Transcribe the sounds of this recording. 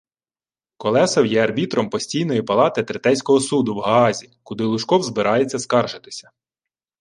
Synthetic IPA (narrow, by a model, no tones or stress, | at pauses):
kɔlˠɛsɔwjɛɐrbʲit̪ɾɔmpɔsʲtʲijnɔjipɐlˠɑt̪ɪt̪ɾɪt̪ɛsʲkɔɦɔsud̪ʊwɦɐɑzʲikʊd̪ɪlˠʊʃkɔwzbɪɾʔɑjet͡sʲːɐskɑrʒɪt̪ɪ̥sʲɐ̥